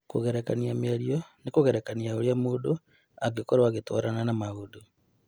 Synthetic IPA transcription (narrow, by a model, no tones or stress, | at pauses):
koɣɛɾekaniameaɾiɔnekoɣɛɾɛkaniaoɾeamuːdo | aɡekoɾwaɣeto̰ɾananamaɣudu